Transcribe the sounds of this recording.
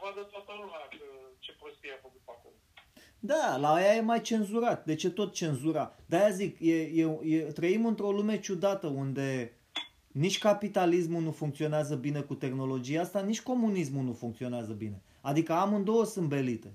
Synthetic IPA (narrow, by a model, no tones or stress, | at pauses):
vad̪ət̪oat̪əlumakət͡ʃepɾost̪iafəkut̪pakolo | d̪alaːjaje̞majt͡ʃe̞nzuɾat̪̚d̪e̞t͡ʃe̞t̪o̞t̪̚t͡ʃe̞nzuɾad̪eajazikje̞jejet̪ɾəimɨnt̪ɾo̞lume̞t͡ʃud̪at̪əund̪e̞ | nit͡ʃʲkapit̪alismunufuŋkt̪sio̞neazəbine̞kut̪e̞xno̞lo̞d͡ʒijaast̪anit͡ʃʲko̞munismunufuŋkt̪sio̞neazəbine̞ | ad̪ikəamɨnd̪o̞wəsɨmbe̞lit̪e